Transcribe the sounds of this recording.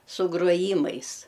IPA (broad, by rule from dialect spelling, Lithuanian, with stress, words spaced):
sʊ ɡruɔˈjiːmɐɪs